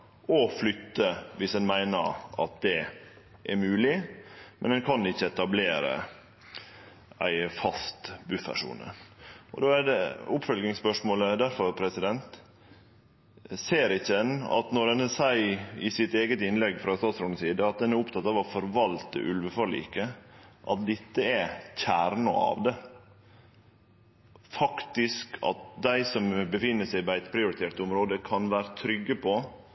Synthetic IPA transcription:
ɔflʏt̪ːəʋɪshɛnmæɪnəɾʔɑ̰t̪̚d̪ɛ | ʔæɾmʉːlɪmʔɛ̰nd̪ɛnkʰɑnɪçːəɛt̪ɑbleːɾə̰ | æ̰ɪfɑst̪bʉfʋæ̰ʂṵːnə̰ʔɔ̰d̪oːæd̪ɛʊpfœlɡɪŋspœʂmoːləd̪æɾfɔɾpʰɾɛsɪd̪ɛnt̪ | seːɾɪçːəɛnɑ̰t̪nɔɾhɛnsæɪɪsɪt̪eːɡət̪ɪnlɛɡfɾɑst̪ɑːt̪sɾʊsiːd̪əɑt̪̚d̪ɛnæɾʊpt̪ʰɑt̪ɑːʋɑfɔɾʋɑlt̪ə̰ʔʉlʋəfɔɭḭːkːəʔɑ̰t̪̚d̪ɛt̪ːəɛçæːɾɳə̰ɑ̰ʋd̪ɛ | fɑkt̪ɪskʰɑ̰t̪̚d̪æɪsɔmbəfɪnːəsæɪbɑæɪt̪pʰɾɪʊɾɪt̪ʰeːʈt̪ʊmɾoːd̪əkʰɑnʋæːɾət̪ʰɾʏɡːəpʰɔ

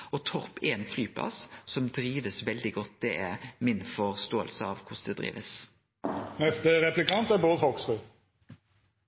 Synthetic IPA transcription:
ɔt̪ʰɔpːeːnflyːpʰlɑ̰ssɔmd̪ɾiːʋəsʋɛld̪ɪɡɔt̪̚ːd̪̥ɛɛmɪnfɔʁst̪oːə̰lsəɑʋkʰʊsd̪ɛd̪ʁḭːʋəs | nɛst̪əʁɛplɪkɑnt̪æɾboːd̪hɔksʉː

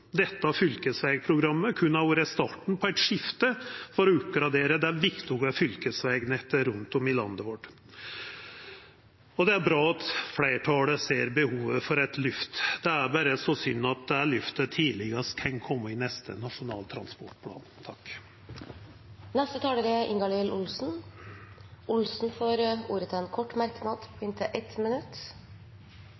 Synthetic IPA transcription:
d̪ɛt̪ːəɑfʏlkəsʋɛːɡ̚pʰɾʊɡɾɑmːəkʰʉnɑʋɾɛst̪ɑʈɳ̩pʰɔæɪt̪ʂɪft̪əfɔɾɔʉpɡɾɑd̪eːɾəd̪ɛæʋɪkt̪ɪʊɡəfʏlkəsʋeːɡnɛt̪ːəɾʉnt̪ɔmɪlɑ̰nd̪əʋɔʈ | ɔd̪ɛæɾbɾɑːɑt̪flæɪʈʰɑːləseːɾbəhuːʋəfɔɾɛt̪lʉft̪d̪̥ɛæɾbæɾəsɔsʏnːɑt̪̚d̪ɛæɭʉft̪ət̪ʰiːlɪɡəɾskʰɑnkʰɔmːəɪnɛst̪ʰə̰nɑʂʊnɑ̰ːlt̪ʰɾɑ̰nspɔʈpʰlɑ̰ːnt̪ʰɑk | nɛst̪ət̪ʰɑːləɾəʔɪŋɡɑlɪlʔʊlsn̩ | ʊlsn̩foːɾuːɾət̪ʰɪlɛnkʰɔʈːmæɾknɑːd̪pʰɔɪnt̪ʰəʔɛt̪mɛnʉt̪ː

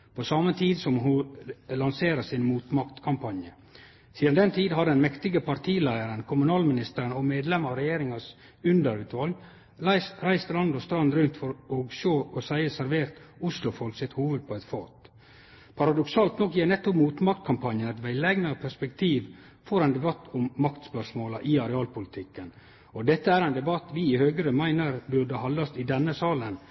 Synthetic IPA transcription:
pʰosɑmət̪ʰiːd̪sɔmɦʊlɑnseːɾəsɪnmuːt̪mɑkt̪kʰɑmpʰɑnjə | siːd̪ɑnd̪ɛnt̪ʰiːd̪ɦɑɖɛnmɛkt̪ɪɡəpʰɑɾt̪ʰiːlæɪəɾənkʰʊmʉnɑːlmɪnɪst̪əɾənɔmeːd̪lɛməɾɾɛjeːɾɪŋɑs | ʉnd̪əɾʉːt̪ʋɑl | æsɾæɪst̪əlɑnd̪ɔst̪ɾɑnd̪ɾʉnt̪fɔɾoːɡʃoːɔsæɪəsæɾʋeːɾt̪ʊslʊfɔlksɪt̪huːʋəd̪̚pʰɔɛt̪fɑːt̪ | pʰɑɾɑd̪ʊksɑːlt̪nɔkjeːnɛt̪ːɔpmuːt̪mɑkt̪kʰɑmpʰɑnjənæt̪ʋɛɪlɛɡnəpʰæʂpɛkt̪ʰiːʋ | fɔɾɛnd̪ɛbɑt̪ːɔmːɑkt̪spœʂmoːlɑʔɪɑɾɛɑːlpʊlɪt̪ʰɪkːən | ɔd̪ɛt̪ːəæːɾæɪnd̪ɛbɑt̪ʋɪːhøːɡəɾəmæɪnəɾbʉɖəhɑnd̪ɑst̪ɪd̪ɛnːəsɑːlən

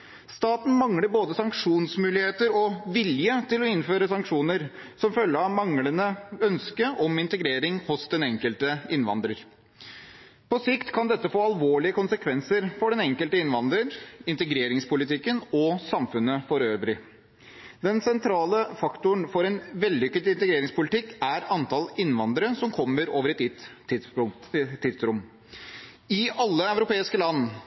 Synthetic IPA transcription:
st̪ɑːt̪n̩mɑŋləɾboːd̪əsɑŋkʂuːnsmʉːlɪheːt̪əɾɔʋɪljət̪ʰɪlɔɪnføːɾəsɑŋkʂuːnəɾsɔmfœlːəɑmɑŋlənəœnskəʔɔmɪnt̪əɡɾeːɾɪŋhʊsd̪ɛnɛŋkəlt̪əɪnʋɑ̰nd̪ɾəɾ | pɔsɪkt̪kʰɑnd̪ɛt̪ːəfoːɑlʋoːɭɪəkʊnsəkʰʋɛnsəɾfɔɖɛnɛŋkəlt̪əɪnʋɑnd̪ɾəɾɪnt̪əɡɾeːɾɪŋspʊlɪt̪ʰɪkːənɔsɑmfʉnːəfɔɾøːʋɾɪ | d̪ɛnsɛnt̪ʰɾɑːləfɑkt̪ʊəɳfɔɾɛnʋɛlːʏkːət̪ɪnt̪əɡɾeːɾɪŋspʊlɪt̪ɪkːæɾɑnt̪ʰɑlɪnːʋɑnd̪əɾəsɔmkʰɔmːəɾoːʋəɾɛt̪ɪt̪ | ɪsɾʊm | ɪʔɑlːəɑʉɾʊpeːɪskəlɑnː

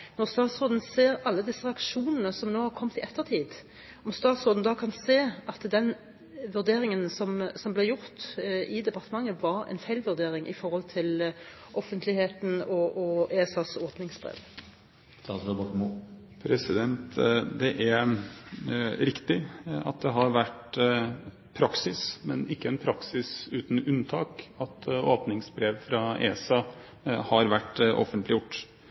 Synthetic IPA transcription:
nɔʁst̪ɑːt̪sʁoːd̪n̩seːɾɑlːəd̪ɪsːəʁɛɑkʃuːnənəsɔmnoːhɑɾkʰɔmt̪ɪɛt̪ʰːəʁt̪ʰiːd̪ | ɔmst̪ɑːt̪sʁoːd̪n̩d̪ɑːkʰɑnseːɑt̪d̪ɛn | ʋʉɾd̪eːɾɪŋənsɔmsɔmblɛjʊɾt̪ʔɪd̪ɛpɑʁt̪əmɑŋːəʋɑɾɛ̰nfæɪlʋʉɾd̪eːɾɪŋʔɪ̰fɔɾhɔlt̪ʰɪl | ʔɔfənt̪lɪheːt̪n̩ɔʔɔeːɛsɑːsɔd̪nɪŋsbʁḛːʋ | t̪ʰɑbɑkm | pʰɾɛsɪd̪ɛnt̪d̪ɛʔæɾ | ɾɪkt̪ɪɑ̰t̪̚d̪ɛɦɑɾʋæʈ | pʰɾɑksɪsmɛnɪkːəɛnpʰɾɑksɪsʉːt̪n̩ʉnt̪ʰɑːkɑt̪oːpnɪŋsbɾeːʋfɾɑḛːsɑː | hɑɾʋæʈːʔɔ̰fənt̪lɪjʊʈː

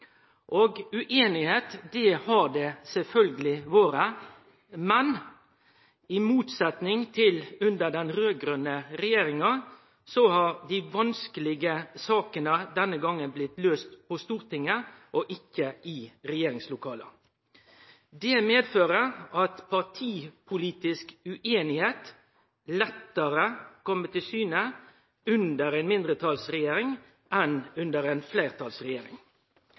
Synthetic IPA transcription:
ʔoːɡʉʔeːnɪheːt̪d̪ɛhɑd̪ɛsɛlfœlɡəlɪʋoːɾə | mɛn | ɪmuːt̪sɛt̪nɪŋt̪ʰɪlʉnd̪əd̪ɛnɾøːɡɾœnːəɾɛjeːɾɪŋɑ | sɔhɑɾd̪ɪʋɑnskəlɪɡəsɑːkənəd̪ɛnːəɡɑŋːənblɪt̪løːst̪pʰɔst̪uːɾt̪ʰɪŋːəʔɔʔɪkːəʔɪɾɛjeːɾɪŋslʊkʰɑːlə̰ | d̪ɛmeːd̪føːɾəʁɑt̪pʰɑʁtʰiːpʰʊliːt̪ɪskʉʔeːnɪheːt̪ | lɛt̪ːəɾəkɔmːət̪ʰɪlsyːnə | ʉnd̪əɾɛɪnmɪnd̪ɾət̪ʰɑlsɾɛjeːɾɪŋ | ʔɛnʉnd̪əɾɛːnfleɪʁt̪ʰɑlsʁɛjeːɾɪ̰ŋ

